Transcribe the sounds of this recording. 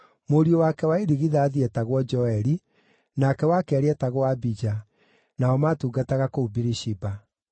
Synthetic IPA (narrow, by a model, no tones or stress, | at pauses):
moɾiowakɛwaeɾiɣiðaːðiɛtaɣwɔd͡ʒɔɛɾi | nakɛwakɛɾeɛtaɣwabid͡ʒa | naɔmatuːɡataɣakoubiɾiʃiba